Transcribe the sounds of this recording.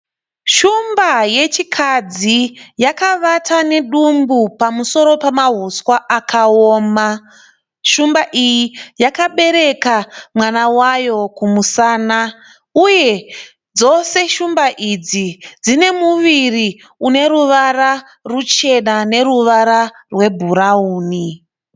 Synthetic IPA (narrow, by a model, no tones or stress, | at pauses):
ʃumbaje̞t͡ʃikʰad͡zijakaʋatane̞ɗumbupamuso̞ɾo̞pamaɦuswaʔakʰaoːma | ʃumbaʔijijakaɓe̞ɾe̞kamwanawajo̞kumusaːna | uje̞ | d͡zo̞se̞ʃumbaʔid͡zid͡zine̞muʋiri | une̞ɾuʋara | rut͡ʃe̞nane̞ɾuʋaɾa | rwe̞bʱuɾauːni